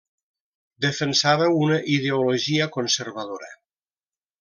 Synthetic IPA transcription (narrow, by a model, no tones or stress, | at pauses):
d̪əfənsaβəunəʔið̞eoloʒiəkonseɾβaðoɾə̰